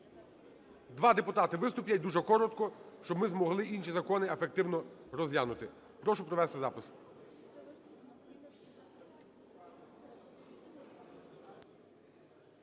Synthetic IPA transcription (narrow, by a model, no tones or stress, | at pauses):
d̪ʋɑd̪epʊt̪ɑt̪ɪʋɪst̪ʊpʲjɐt̚ʲd̪uʒɛkɔɾɔt̪kɔʃt͡ʃɔbmɪzmɔɦlˠɪinʃizɐkɔnɪefek̚t̪ɪwnɔɾɔzjʲanʊt̪ɪ | pɾɔʃʊpɾɔʋɛst̪ɪzɑpɪs